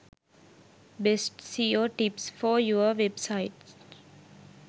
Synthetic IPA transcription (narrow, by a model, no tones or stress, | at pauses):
besʈsiːjoʈipsfɔːjuəʋebsaɪʈs